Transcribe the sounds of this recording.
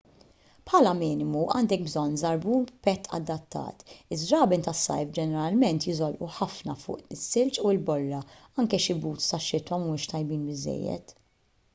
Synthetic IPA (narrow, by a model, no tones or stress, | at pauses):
pħɐːlɐmɪːnɪmuʔɐːnd̪ɛk̚bzɔnːzɐɾbuːnpɛt̪ːʰɐ̰d̪ːɐt̪ːɐ̰ːt̪ɪzɾɐːbɪnt̪ɐsːɐ̰jfd͡ʒɛnɛɾɐlmɛnt̪jɪzɔlʔuħɐfnɐfʊ̰ːʔɪsːɪlt͡ʃuɪlbɔrːɐɐŋkɛʃɪbuːt̪st̪ɐʃːɪt̪wɐmmuːʃt̪ɐjbiːnbɪzːɛ̰jːɛ̰t̪